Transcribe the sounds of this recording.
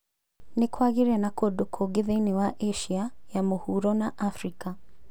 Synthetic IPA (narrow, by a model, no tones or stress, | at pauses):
nekʰwaɣiɾɛnakodokʰoɡeðenewaʔeʃiajamohuɾɔnaʔafɾika